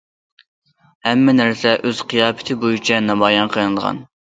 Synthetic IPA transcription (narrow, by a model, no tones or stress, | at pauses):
hɛmːɛnæɾsɛʔøz̥qʰijɑːpʰɪ̥t̪ʰɪbojyt͡ʃʰɛnɑmɑːjɑnqʰənɨd̪ʁɑ̰n